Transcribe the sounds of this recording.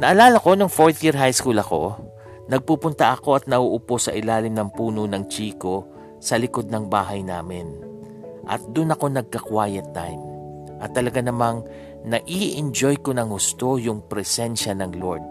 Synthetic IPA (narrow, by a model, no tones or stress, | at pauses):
nɐʔɐlaːlɐko̞nʊŋfo̞ɹt̪jiɹɦajskulɐko̞̰ | nɐɡ̚pupʊnt̪ɐʔɐko̞ʔɐt̪̚nɐʔuʔʊpo̞sɐ̰ʔɪlaːlɪmnɐŋpuːnonɐŋt͡ʃiːko̞ | sɐlɪko̞d̪̚nɐŋbaːɦɐjnaːmɪn | ʔɐ̰t̪̚d̪ʊnɐko̞nɐɡ̚kɐkwaːjɐt̪ːajm | ʔɐt̪ːɐlɐɡanɐmaŋ | nɐʔiːʔɪnd͡ʒo̞jko̞nɐŋhʊst̪o̞jʊŋpɾɛsɛnʃɐnɐŋloɹd̪̚